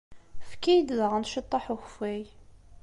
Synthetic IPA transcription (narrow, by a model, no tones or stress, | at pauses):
fkːæjd̪ðəʁænʃət̪ˤːɑħuxfæj